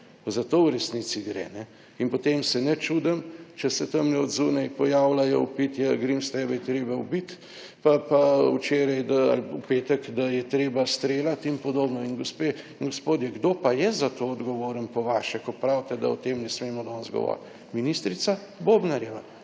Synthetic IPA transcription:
pazat̪oːwɾɛsnit̪siɡɾɛ̰ːnɛ | inpɔt̪emsɛnɛt͡ʃud̪ɐmt͡ʃɛsɛt̪əmnɛɔd̪zuːnajpɔjaːwlajɔupit̪jɛɡɾimst̪ɛːbɛjɛt̪ɾeːbaubit̪ | papaut͡ʃeːɾajd̪aa̰lpupeːt̪əkd̪ajɛt̪ɾeːbast̪ɾeːlat̪inpɔd̪oːbnɔinɡospe | ŋɡospoːd̪jɛɡd̪oːpajɛzat̪oɔd̪ɡɔʋoːɾənpɔʋaʃɛkɔpɾawt̪ɛd̪a̰ɔt̪emnɛsmeːmɔd̪ɔnzɡɔ̰ʋɔ̰ːɾt̪ | minist̪ɾit̪sabobnaɾjɛʋa

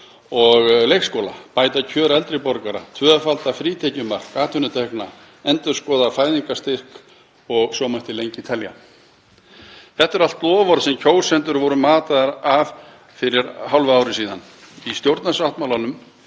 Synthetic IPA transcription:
ɔɣlejkskɔːla̰paːjt̪acʰœːɾɛlt̪ɾɪpɔɾkaɾa̰t̪ʰvœːfalt̪afɾiːt̪ʰɛcʏmar̥kaːt̪ʰʏnʏt̪ʰɛhkna | ɛnt̪ʏɾ̥skɔːðafaːjðiŋkast̪ɪr̥k | ɔɣsɔmaht̪ɪlejɲcɪt̪ʰɛlja̰ | θɛht̪ːɛɾalt̪plɔːvɔɾsɛmcʰoːwsɛnt̪ʏɾvɔɾʏmaːt̪aðaɾav | fɪɾɪɾhawlvʏaːwɾɪsiːðan | ist̪jowɾt̪nasaht̪mawlanʏm

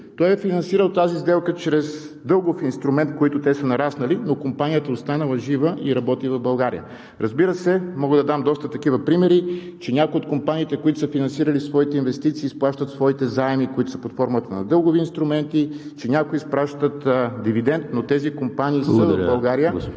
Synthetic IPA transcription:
t̪ɔjɛfinɐnsiɾəlˠt̪azizd̪ɛlˠkət͡ʃɾɛz | d̪ɤlˠɡofinst̪ɾʊmɛnt̪̚koit̪ʊt̪ɛsənɐɾasnəlinokompanijət̪əost̪anəlˠɐʒivəʔiɾɐbɔt̪ivɐvbɐlˠɡaɾijə̰ | ɾʔɐzbiɾəsɛmɔɡəd̪ɐd̪amd̪ɔst̪ət̪ɐk̟ivəpɾimɛɾit͡ʃɛnʲakʊiot̪̚kompaniːt̪ɛkoit̪ʊ̥səfinɐnsiɾəlisvɔit̪ɛinvɛst̪it̪siːsplˠaʃt̪ət̪svɔit̪ɛzaɛmikoit̪ʊsəpɐt̪fɔɾmət̪ənɐ̰d̪ɤlˠɡʊviːnst̪ɾʊmɛnt̪it͡ʃɛnʲakoispɾaʃt̪ət̪d̪ivid̪ɛnt̪not̪ɛzikompaniːsəvvbɐlˠɡaɾijə

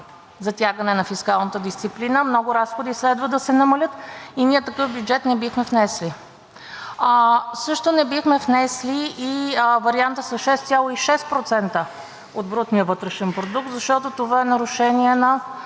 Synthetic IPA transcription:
zɐt̪ʲjaɡənɛnɐfiskalˠnət̪əd̪ist̪siplinəmnɔɡʊɾasxod̪islɛd̪vəd̪əsɛnɐmɐlʲɤt̪iniət̪ɐkɤfbjud͡ʒɛt̪nɛbixmɛfnɛsli | sɤʃt̪onɛbixmɛfnɛsliːivɐɾiant̪əsɐʃɛst̪sʲalˠoiʃɛst̪̚pɾot̪sɛnt̪ə | ot̪̚bɾut̪nijəvɤt̪ɾɛʃɛnpɾod̪uk̚t̪zɐʃt̪ɔt̪ot̪ovaɛnɐɾʊʃɛniɛnɐ

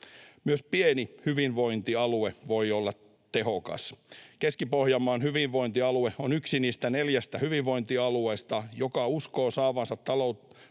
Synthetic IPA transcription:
myøspienihyʋinʋo̞int̪iɑlueʋoiolːɑ | t̪eɦokɑ̰skeskipohjɑmːɑːnhyʋiʋʋo̞int̪iɑlueonyksiniːst̪æneljæst̪æhyʋiʋʋo̞int̪iɑlueist̪ɑjokɑuskoːsɑːʋɑnsɑt̪ːɑlout̪

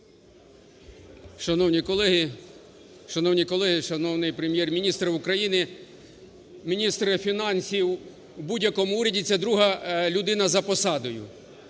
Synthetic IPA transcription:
ʃɐnɔwnʲikɔlˠɛɦi | ʃɐnɔwnʲikɔlˠɛɦɪʃɐnɔwnɪjpɾemjɛrmʲinʲist̪ɾɪʊkɾɐjinɪ | mʲinʲist̪ɾɪfʲinɑnʲsʲiwː | budʲjɐkɔmʊuɾʲɐdʲɪt͡sʲːɐd̪ɾuɦɐlʲʊd̪ɪn̪ɐzɐpɔsɑd̪ɔjʊ̰

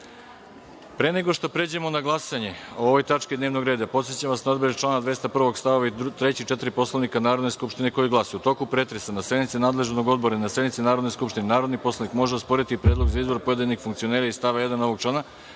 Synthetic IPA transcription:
pɾeneɡo̞ʃt̪opɾed͡ʑuemo̞naɡlˠasaɲe̞ooʋo̞jt̪at͡ʃked̪neːʋno̞ɡɾe̞ːd̪apo̞t̪set͡ɕaʋasnaod̪beet͡ʃlˠaːnad̪ʋe̞st̪apr̩ʋo̞ɡst̪aʋoʋait̪ɾe̞t͡ɕit͡ʃe̞t̪iɾipo̞slˠanikanaːɾo̞d̪ne̞skupʃt̪ine̞ko̞jiɡlˠasojut̪o̞kupɾet̪ɾesanasjed̪nit̪sinaːd̪leʒnoɡo̞d̪̚bo̞ɾainasjenit̪sinaːɾo̞d̪neskupʃt̪inenaːɾo̞d̪nipo̞slˠanikmo̞ʒeospo̞ɾit̪ipɾed̪lˠo̞ɡzaizbo̞ɾpo̞je̞d̪inixfuŋkt̪io̞neɾaist̪aʋaje̞d̪ano̞ʋo̞ɡt͡ʃlaːna

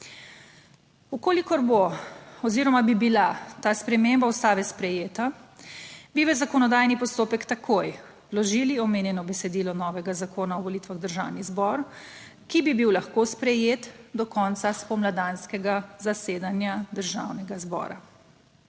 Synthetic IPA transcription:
ukoːlikɔɾboɔziɾɔmabibilat̪aːspɾɛmembaust̪aːʋɛspɾɛjeːt̪a | biʋəzakɔnɔd̪ajnipɔst̪oːpɛkt̪akʰoj | wlɔʒiːliɔmeːnjɛnɔbɛsɛd̪iːlɔnɔːʋɛɡazakʰoːnaɔʋɔliːt̪ʋaɣd̪əɾʒawnizbɔɾ | kibibiwlaxkospɾɛjeːt̪d̪ɔkɔnt̪saspɔmlad̪anskɛɡazaseːd̪anjad̪əɾʒawnɛɡazbɔ̰ːɾa

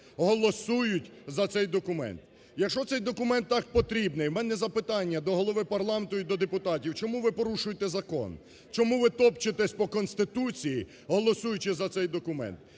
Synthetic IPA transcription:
ɦɔlˠɔsujʊtʲzɐt̪sɛjd̪ɔkʊmɛ̰nt̪ | jɐkʃɔt̪sɛjd̪ɔkʊmɛnt̪ːɑk̚pɔt̪ɾʲibnɪjwmɛnɛzɐpɪt̪ɑnʲːɐd̪ɔɦɔlˠɔʋɪpɐrlˠɑment̪ʊid̪ɔd̪epʊt̪ɑtʲiwt͡ʃɔmuʋɪpɔɾuʃʊjet̪ɛzɐkɔ̰n | t͡ʃɔmuʋɪt̪ɔpt͡ʃɪt̪ɛsʲpɔkɔnst̪ɪt̪ut͡sʲiji | ɦɔlˠɔsujʊt͡ʃɪzɐt̪sɛjd̪ɔkʊmɛ̰nt̪

